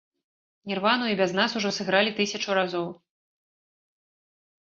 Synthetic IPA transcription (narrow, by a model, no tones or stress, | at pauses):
nʲirvanuibʲaznasuʐɔsɨɣɾalʲit̪ɨsʲɐt͡ʂuɾazɔw